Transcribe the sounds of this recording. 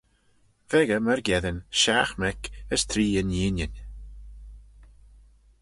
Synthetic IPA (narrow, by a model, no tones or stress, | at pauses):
vɛɡəməɹɡɛðənʲʃaxmɛkəst̪ʰɾiːəniːnʲənʲ